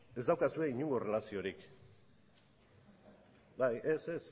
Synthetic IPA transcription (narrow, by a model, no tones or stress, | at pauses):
e̞zd̪awkasue̞iɲuŋɡo̞re̞lasio̞ɾik | bajʔeses